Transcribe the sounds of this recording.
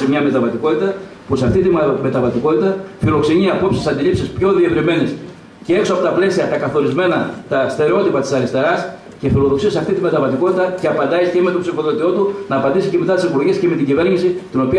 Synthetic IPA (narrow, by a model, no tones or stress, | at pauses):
imɲɐme̞t̪ɐvɐt̪iko̞t̪it̪ɐ | pusɐft̪it̪ime̞t̪ɐvɐt̪iko̞t̪it̪ɐfilo̞kse̞ɲiɐpo̞psisɐnd̪ilipsispço̞ðievɾime̞nis | ceeksoɐpo̞t̪ɐple̞siɐt̪ɐkɐθo̞ɾizme̞nɐt̪ɐst̪e̞ɾeo̞t̪ipɐt̪i̥sɐɾist̪e̞ɾɐs | ce̞filo̞ðo̞ksiɐsɐft̪it̪ime̞t̪ɐvɐt̪iko̞t̪it̪ɐceɐpɐnd̪ɐiscemet̪o̞bsifo̞ðot̪io̞t̪unɐːpɐnd̪isiceme̞t̪ɐt̪isepulʝesceme̞t̪iɲɟive̞ɾɲisit̪ino̞piɐ